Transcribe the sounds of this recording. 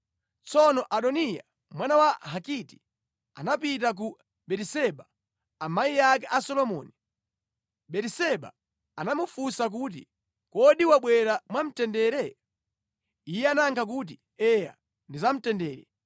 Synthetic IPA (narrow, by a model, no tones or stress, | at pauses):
t͡sɔnɔʔaɗɔnija̰ | mwanawahakiti̥ | a̰napit̬ak̬u | ɓɛtisɛɓa | amaijak̬ɛʔasɔlɔmɔːni | ɓɛtisɛɓa̰ | anamufusak̬ut̬ḭ | kɔɗiwaɓwɛɾamwam̩tɛndɛɾɛ | ijɛanaŋkʰak̬ut̬i | ɛja̰ | ndizam̩tɛndɛːɾɛ